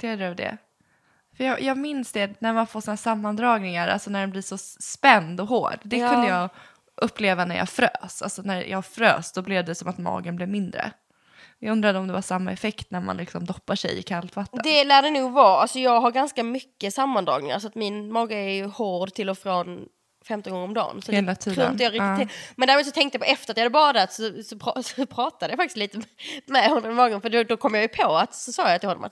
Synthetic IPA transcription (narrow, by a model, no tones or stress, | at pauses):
t̪ʰɛɖvəɖɛ̰ | fœjɑjʔɑːɡmɪnsd̪ɛnæɾmanfoːʂiːnasamːand̪ɾɑːɡnɪŋaɾʔa̰lsɔnæɖɛnblɪʂɔspɛnd̪ɔɦo̰ːɖd̪ɛkʰɵnd̪əjɑː | ʔɵpːleːvanæɾja̰fɾø̰ːsa̰lsɔnæɾjʔɑ̰ːɡfɾø̰ːssɔblɛvd̪ɛsɔmat̪mɑ̰ːɡənblɪvmɪnd̪ɾə̰ | jɑɡɵnd̪ɾad̪əɔmd̪ɛvaʂamːa̰ɛfɛkt̪næɾma̰nlɪksɔmd̪ɔpːaʂɛ̰jɪ̰kʰalt̪vat̪ːəd̪ɛlæːɖɛnuːɡvɑːalsɔjɑːɡɦaɾɡanskamʏkːəsamːand̪ɾɑ̰ːɡnɪŋa̰ɾs̬ɔat̪mɪnmɑːɡaɛɾjɵhoːɾɖ̪t̪ʰɪlːɔfɾɔn | fɛmt̪ɔnɡɔŋəɾɔmd̪ɑ̰ːnsɔt̪heːlat̪ʰiːɾuːɾɪjɑaɾɪkt̪ɪːɪmɛnæːɾmuːd̪sɔt̪ʰɛŋkt̪əjapʰɔʔɛft̪əɾat̪jad̪ɛbɑːd̪at̪sɔsɔpʰɾɑsɔpʰɾɑːt̪ad̪əjafakt̪ɪsiːt̪əmɛmɛhɔmɔnmmɑːɡənfœəɖɔd̪ɔkʰɔmːjɑjɵpʰoat̪sɔsɑːjajt̪ɪhɔːd̪ɔ̰ma̰t̪